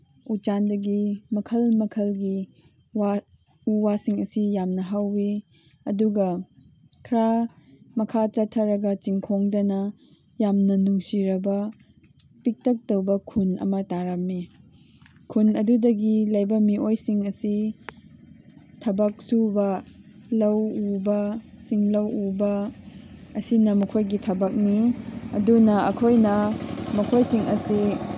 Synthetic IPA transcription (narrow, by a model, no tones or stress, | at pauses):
ut͡ʃandɐɡimɐkʰɐlmɐkʰɐlɡi | wa | uwasiŋɐsijamnɐɦawːi | ɐduɡɐ | kʰɾamɐkʰat͡ʃɐtʰːɐɾɐɡɐt͡ʃiŋkʰoŋdɐnɐ | jamnɐnuŋsiɾɐbɐ | pik̚tɐk̚tɐwbɐkʰunɐ̰mɐtaɾɐmːi | kʰunɐdudɐɡilɐjbɐmiojsiŋɐsi | tʰɐbɐk̚subɐlɐwubɐt͡ʃiŋlɐwubɐ | ɐsinɐmɐkʰojɡitʰɐbɐk̚niɐ̰dunɐɐkʰojnɐmɐkʰojsiŋʔɐsi